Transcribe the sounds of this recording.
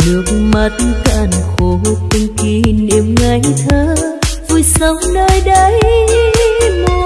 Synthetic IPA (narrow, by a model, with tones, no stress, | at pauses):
nɨ˨˦ək̚ŋmə˨˩t̚nka̰ː˧˩nxo˨˦˧t̪i˧ŋ̟ki˧˦ne˧˩mŋa˧˦ŋt̪ʰəː˧˦vu˧˩jsə˨˦wŋ͡mnəː˧jɗə˧˦j | mo˧